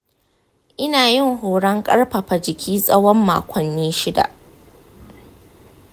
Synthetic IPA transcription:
ʔɪ˦naː˨jɪ˦ŋɦoː˨ɽɐ˦ŋkʼɐ˦ɽɸɐ˨ɸa˨d͡ʒɪ˨kʲʰiː˦sʼɐ˦wɔ˦mːa̰ː˨kʷʰɔ˨nːeː˦ʃɪ˦da̰˨ʔ

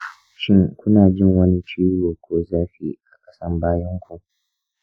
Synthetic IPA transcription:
ʃɪ˦ŋkʷʊ˦naː˨d͡ʒɪ˦ŋwɐ˦ni˦t͡ʃiː˦joː˨kʷoː˦zaː˦ɸḭ˦ʔa˨kʼɐ̥˦sɐ˦mbaː˦jɐ˦ŋkʷu˨ʔ

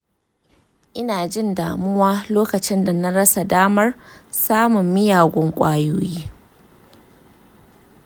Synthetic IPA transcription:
ʔɪ˦naː˨d͡ʒɪ˦˨ndaː˨mʊ˦waː˦loː˦kɐ˨t͡ʃɪ˦nda˨na˦ɽɐ˦sa˨daː˦mɐ˦rsaː˦mʊ˨mːɪ˦jaː˨ɡʷɔ˦ŋkʷʼaː˦joː˦jiː˦

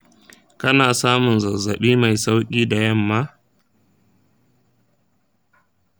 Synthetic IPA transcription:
kɐ˦naː˨saː˦mʊ˨nzɐ˨za˨ɓiː˦ma˨jsa˦wkʲʼiː˦da˨jɐ˦˨mːa˦

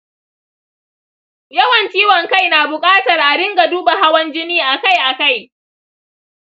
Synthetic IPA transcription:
jɐ˦wɐ˨ntiː˦wɔ˨ŋka˦˨jnaː˨bʊ˨kʼaː˦tɐ˨rʔa˨ɽɪ˦ŋɡa˨duː˦ba˨ɦa˦wɐ˦nd͡ʒɪ˦niː˦ʔa˨ka˦˨jʔa˨ka˦˨j

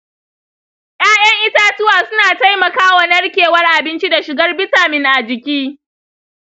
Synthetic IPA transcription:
j̰aː˦jɐ˦ŋʔɪ˦taː˦tʊ˦waː˨sʊ˦naː˨ta˦jmɐ˨kaː˦wa˨nɐ˦rkʲeː˨wɐ˦rʔa˨bɪ˦nt͡ʃi˦da˨ʃɪ˨ɡɐ˦rbɪ˦taː˨mɪ˦ŋʔa˨d͡ʒɪ˨kʲiː˦

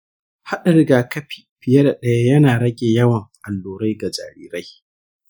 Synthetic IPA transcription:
ha˦ɗa˨ɽɪ˦ɡaː˨kɐ˦ɸi̥˦˨ɸɪ˨jɐ˦da˨ɗɐ˦ja˦jɐ˦naː˨ɽɐ˦ɡʲeː˨jɐ˦wɐ˨ŋʔa˨lːoː˨ɾa˦jɡa˨d͡ʒa̰ː˨ɾḭː˦ɾa˦j

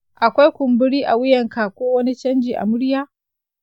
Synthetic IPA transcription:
ʔa˨kʷa˦jkʷʊ˨mbʊ˦ɽiː˦ʔa˨wʊ˦jɐ˨ŋka˨kʷoː˦wɐ˦ni˦t͡ʃɐ˦nd͡ʒiː˨ʔa̰˨mʊ˦ɽjaː˦

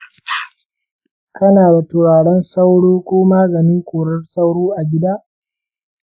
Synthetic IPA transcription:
kɐ˦naː˨da˨tʊ˨ɽaː˨ɽɛ˦nsa˦wɽoː˦kʷoː˦maː˦ɡɐ˨niː˦kʷoː˨ɾɐ˦rsa˦wɽoː˦ʔa˨ɡʲɪ˦daː˦ʔ

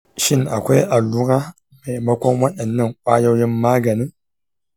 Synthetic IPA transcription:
ʃɪ˦nʔa˨kʷa˦jʔa˨lːu˦ɾaː˦ | ma˨jmɐ˦kʷɔ˦nwɐ˦ɗɐ˨nːɐ˦˨ŋkʷʼaː˦ja˦wji˦mmaː˦ɡɐ˨ni˦ŋ

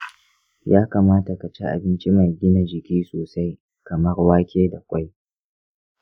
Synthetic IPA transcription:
jaː˦kaː˨maː˦ta˨ka˨t͡ʃe˦ʔa̰˨bɪ˦nt͡ʃi˦ma˨jɡʲɪ˦na˨d͡ʒɪ˨kʲiː˦soː˨sa˦j | kɐ˨mɐ˦rwaː˦kʲeː˦da˨kʷʼa˦j

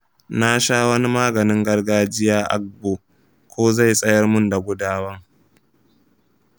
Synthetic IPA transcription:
na˦ʃaː˦wɐ˦ni˦maː˦ɡɐ˨nɪ˦ŋɡɐ˦rɡaː˦d͡ʒɪ˦jaː˦ʔa̰˦ɡ̚boː˨ | kʷʰoː˦za˦˨jsʼɐ˦jɐ˦rmʊ˦nda˨ɡʷʊ˦daː˦wɐ˦ŋ

